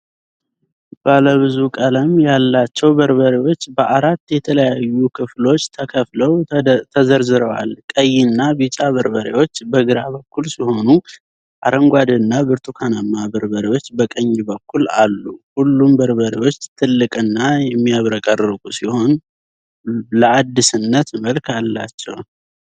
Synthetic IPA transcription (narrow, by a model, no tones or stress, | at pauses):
b̥aləβɨzukʼələmjalːat͡ʃːɛwbəɾβəɾewo̞t͡ʃːbəʔaɾat̪ːjɛt̪ʰələjajːukʰɨflo̞t͡ʃːt̪ʰəkʰəfləwt̪ʰəzəɾzɨɾəwa̰lkʼəjːinːabit͡ʃʼaβəɾbəɾewo̞t͡ʃːbəɡɨɾaβəkːulsiho̞nu | ʔaɾəŋɡʷad̪ɨnːabɨɾt̪ʰukʰanamːabəɾbəɾewo̞t͡ʃːbəkʼəɲːbəkːula̰lːuhulːumbəɾβəɾiwo̞t͡ʃːt̪ʰɨlːɨkʼɨnːajɛmːiaβɾəkʼərɨɡusiho̞n | ləad̪ːisɨnːət̪məlkʰalːa̰t͡ʃːɛ̰w